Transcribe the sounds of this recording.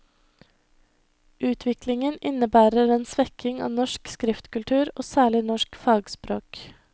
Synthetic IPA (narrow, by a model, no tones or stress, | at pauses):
ʔʉːt̪ʰʋɪklɪŋənɪnəbæːɾəɾeːnsʋɛkʰɪŋɑ̰ːnɔʃkskɾɪft̪kʉlt̪ʰʉːɾoːsæːɭɪnɔʃkfɑːɡspɾoːk